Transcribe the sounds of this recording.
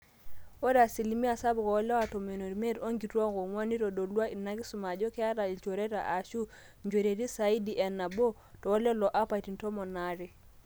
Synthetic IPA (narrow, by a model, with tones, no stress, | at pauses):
o˦da˨si˨li˨mi˦a˨sa˦bko˨o˦le˦wa˨to˨me˨no˨ɾme˦do˦ŋɡi˨tu˦o˦ko˨ŋwa˦ni˦to˨do˨lu˦a˦i˨nːa˦ki˦su˨ma˨d͡ʒo˦ke˦a˦ta˨i˨lt͡ʃo˨ɾe˦ta̰˨ʔa˨ʃu˦ | ɲd͡ʒo˨ɾe˨ti˦sa˨i˦di˨ʔe˨nːa˨bo˦ | to˨o˦le˦lo˨ʔa˦pa˨i˨ti˨nto˦mo˨na˨ɾi˨